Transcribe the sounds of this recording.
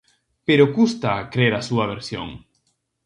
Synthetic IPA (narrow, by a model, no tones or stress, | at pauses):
peɾokust̪akɾeɾasuaβ̞eɾsjo̰ŋ